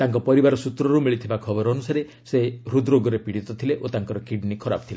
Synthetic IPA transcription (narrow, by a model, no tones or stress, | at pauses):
t̪aŋkɔpɔɾibaɾɔsut̪ɾɔɾumiɭit̪ʰibakʰɔbɔɾːnusaɾe | seɦɾud̪ɾoɡɔɾepiɽit̪ɔt̪ʰileʔot̪aŋkɔɾɔkiɖnikʰɔɾabɔ̥t̪ʰila